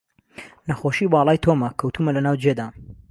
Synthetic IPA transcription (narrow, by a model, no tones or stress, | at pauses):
nɐxoʃiːbɑːlˠɑːjt̪ʰoːmɐkʰɐwt̪uːmɐlɐnaːwd͡ʒed̪aː